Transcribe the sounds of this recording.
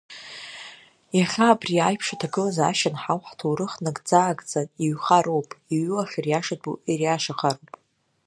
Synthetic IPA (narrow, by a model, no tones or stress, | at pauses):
jaχʲaːbriajpʰʂatʰaɡɨlazaʃanħawħtʰowɾɨχnɨkʼd͡zaːɡʼd͡zʼaniɥχaɾowpʼiɥɨlaχʲirjaʂadʼuirjaʂaχaɾowpʼ